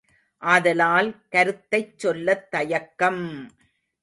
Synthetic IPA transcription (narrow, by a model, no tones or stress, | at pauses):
ʔaːðɐlaːlkɐɾɯt̪ːɐɪt͡ʃsɔlːɐt̪ːɐjɐkːɐm